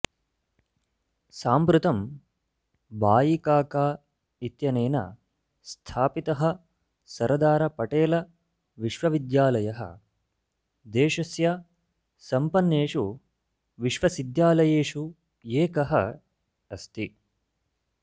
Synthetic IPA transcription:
saːmpɾut̪ɐm | baːjikaːkaː | it̪jɐneːnɐ̰ | st̪ʰaːpit̪ɐɦɐ | sɐɾɐd̪aːɾɐpɐʈeːlɐ | ʋiʃʋɐʋid̪jaːlɐjɐɦɐ̰ | d̪eːʃɐsjɐ | sɐmpɐnːeːʂu | ʋiʃʋɐsid̪jaːlɐjeːʂu | eːkɐɦɐ | ɐst̪i

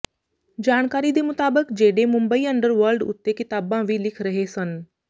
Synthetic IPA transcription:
d͡ʑaːɽ̃kaːɾid̪emʊt̪aːbəkd͡ʑeːɽemʊ̃mbəiəɳɖəɾʋəɾlɖʊ̰t̪ːekɪt̪aːbãʋilɪkʰɾɐɦesən

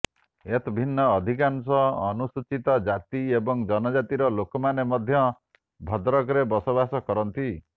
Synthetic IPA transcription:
et̪ɔbʱinːɔːd̪ʱikansɔːnusut͡ʃit̪ɔd͡ʒat̪iebɔŋd͡ʒʌnɔd͡ʒat̪iɾɔlokɔmanemɔd̪ʱjʌ | bʱɔd̪ɾɔkɾebɔsɔbasɔkɔɾɔnt̪i

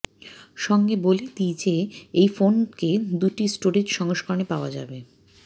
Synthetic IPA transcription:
ʃɔŋɡebolet̪it͡ɕeejfonked̪uʈisʈoɾed͡ʒʃɔŋoʃkoɾnepaoad͡ʑa̰be

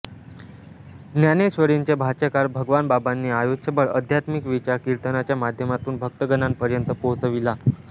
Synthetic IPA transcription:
ɡnjaneɕʋəɾiɲt͡ɕabʱat͡ɕəkaɾbʱəɡʋanbabanːiːajoɕəbəɭə̰d̪ʱjat̪mikʋit͡ɕaɾkiɾt̪ənat͡ɕjamad̪ʱjəmat̪uːnbʱək̚t̪əɡənanpəɾjənt̪əpoɦt͡səʋila

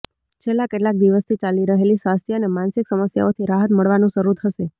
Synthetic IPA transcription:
t͡ʃʰelːakeʈlak̚d̪iʋəst̪ʰit͡ʃaliɾəɦelisʋast̪ʰjəənemãnsɪksəməsja̰ot̪ʰiɾaɦət̪məɭʋanũʃəɾut̪ʰəʃe

